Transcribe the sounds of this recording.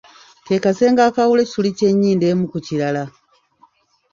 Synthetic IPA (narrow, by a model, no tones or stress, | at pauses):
tekase̞ːŋɡaːkawulectulice̞ɲːiːnde̞ːmukuciɾala